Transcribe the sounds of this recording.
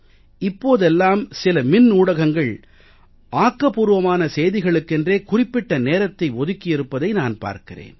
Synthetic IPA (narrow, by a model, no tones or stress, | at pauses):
ɪpːoːðɛlːaːmsɪlɐmɪnːuːɽɐɣɐŋɡɐɭ | aːkːɐpuːɾɯʋɐmaːnɐsɛjðɪɣɐɭɯkːɛndreːkʊrɪpːɪʈːɐneːɾɐt̪ːɐɪʋɔðɯkːɪɪɾɯpːɐðɐɪnaːnpa̰ːɾkɪrḛːn